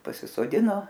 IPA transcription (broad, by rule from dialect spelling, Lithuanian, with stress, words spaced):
pɐsʲɪsoːˈdʲɪnoː